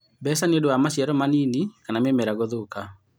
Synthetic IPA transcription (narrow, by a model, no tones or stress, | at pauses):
bɛsaneodowamasjaɾɔmaniːnikanamemɛɾaɣoðoka